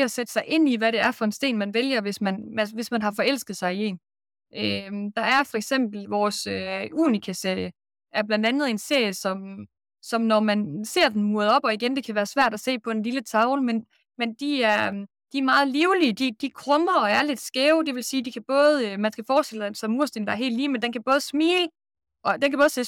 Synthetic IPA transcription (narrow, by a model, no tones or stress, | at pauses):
ɒsed̥ə̥sɑ̈ɪʔe̝n̰iʋæɾe̝æɐfɒ̽e̝nsd̥e̝̰ːnmænʋeljɐʋe̝smænmæʋe̝smænɦɑ̈fɒ̽el̰sɡ̥ð̩ˠsɑ̈ɪie̝̰ːn | ʔød̥ɑ̈æɐfɒ̽eɡ̥sem̰b̥l̩ʋɒːsøuːnikʰæse̝ɐ̰jə | ʔæɐb̥lænd̥ænð̞̩ˠe̝nse̝̰ɐ̰jəsɒ̽m | sɒ̽mnɒmænse̝ɐ̰d̥en̩muɐðˠɒ̽b̥ɒ̽iɡ̥end̥e̝kʰæʋæːɐsʋæɐ̰d̥æse̝̰ːpʰɒ̽e̝nlilət͡sʰɑ̈ʊlmen | mend̥iæɐ | d̥iæɐmɑ̈ːð̞̩ˠliːʊliəd̥id̥ikʰʁɔmɐɒ̽æɐled̥sɡ̥eʊd̥e̝ʋe̝lsiːd̥ikʰæb̥ɔ̽ːð̞̩ˠmænsɡ̥æfɒːsd̥e̝l̰əd̥emsɒ̽muɐ̰sd̥end̥ɑæɐɦe̝̰ːldliːmend̥enkʰæb̥ɔ̽ːð̞̩ˠsmḭːlə | ʔɒ̽d̥enkʰæb̥ːð̩ˠse̝